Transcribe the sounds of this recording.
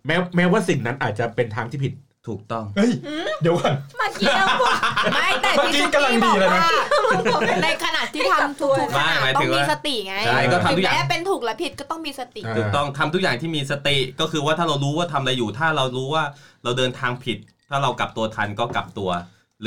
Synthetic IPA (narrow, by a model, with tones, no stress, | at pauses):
mɛː˦˥mɛː˦˥waː˥˩si˨˩ŋna˦˥nʔaː˨˩t̪̚t͡ɕa˨˩pe˧nt̪ʰaː˦˥ŋt̪ʰiː˥˩pʰi˨˩t̪̚ʰːuː˨˩k̚t̪ɔ˥˩ŋɤ˥˩jdi˨˩˦wa˧˩nma˧˩˧ | ma˥˩jt̪ma˧ki˦˥ka˧mla˧diː˧a˧ɾa˧jma˦˧ | na˧jkʰa˧naː˨˩t̪ʰːiː˥˩aa˧nt̪ʰu˧ma˥˩jmaː˩˦t̪ʰɯ˨˦ŋwaː˧˥˧sa˧t̪i˨˩ŋa˧˦t͡ɕʰa˥˩jkɔː˥˩a˧t̪u˦˥kjaː˨lɛ˩˦˥pe˧nt̪ʰuː˨˩k̚lɛ˨˦˥pʰi˨˩t̪̚kɔː˥˩t̪ɔ˥˩ŋmiː˧sa˧t̪i˨˩uː˨˩kt̪ɔ˥˩ŋt̪ʰa˧mt̪u˦˥k̚jaː˨˩ŋt̪ʰiː˥˩miː˧sa˧t̪i˨˩kɔː˥˩kʰɯː˧waː˥˩t̪ʰaː˥˩ɾa˧wɾuː˦˥waː˥˩t̪ʰa˧m˧ɾa˧jːuː˨˩t̪ʰaː˥˩ɾa˧wɾuː˦˥waː˥˩ɾa˧wdɤː˧nt̪ʰaː˧ŋpʰi˨˩t̪̚ʰːaː˥˩ɾa˧wka̰˨˩p̚t̪u˧ɐt̪ʰa˧nkɔː˥˩ka˨˩p̚t̪u˧ɐ